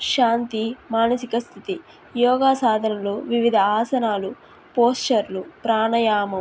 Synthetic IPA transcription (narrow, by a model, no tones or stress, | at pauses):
ʃaːnt̪imaːnɐsikɐst̪ʰit̪i | jɔːɡaːsaːd̪ʱɐnɐluʋiʋid̪ʱɐaːsɐnaːlu | poːsʈɐɾlupɾaːnɐjaːmɐm